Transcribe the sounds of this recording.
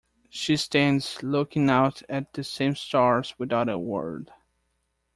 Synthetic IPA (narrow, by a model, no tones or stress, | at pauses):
ʃistæ̃ndz̥lʊkɪ̃ŋaʊɾɨt̪̚ðɨsẽɪ̃mstɑɹzwɨðaʊɾə̰wɜ̰˞d̥